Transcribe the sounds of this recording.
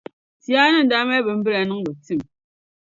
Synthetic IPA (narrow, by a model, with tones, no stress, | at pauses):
ti˦a˦nɨ˦n̩˨˦da˦mɛ˦bə˨m̩˦bɨ˦la˨nɨ˦ŋ˦bə˨ti˦˨m